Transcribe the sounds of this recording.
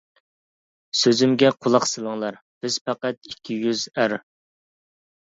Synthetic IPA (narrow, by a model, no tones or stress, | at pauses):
søzymɡʲɛqʰolˠɑqsɨlˠəŋlˠɑɾb̥ɪz̥pæqæt̪̚ikʲʰːijyzæɾ